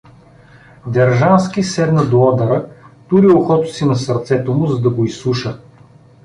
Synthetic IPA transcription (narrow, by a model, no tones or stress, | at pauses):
d̪ɐɾʒanskisɛd̪nɐd̪oɔd̪ɐɾət̪uɾioxɔt̪ʊ̥sinɐsɐɾt̪sɛt̪omʊzɐd̪ɐɡoisuʃə